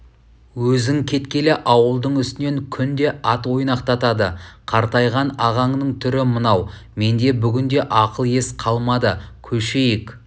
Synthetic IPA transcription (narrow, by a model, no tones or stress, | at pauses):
wɵzɪŋkʲʰe̞t̪kʲe̞lɪʔɑwəlˠd̪əɴʏst̪ɪne̞ŋkʲʰʏnd̪e̞ʔɑt̪wo̞jnɑqt̪ɑt̪ɑd̪əqʰɑɾt̪ɑjʁɑnɑʁɑɴnəɴt̪ʰʏɾɪmənɑwme̞nd̪e̞bʏɡʲɪnd̪e̞ʔɑqəlˠje̞sqʰɑlˠmɑd̪əkʲʰɵʃe̞jɪk